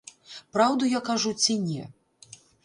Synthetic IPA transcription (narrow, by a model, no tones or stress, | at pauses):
pɾawd̪ujakaʐut͡sʲinʲɛ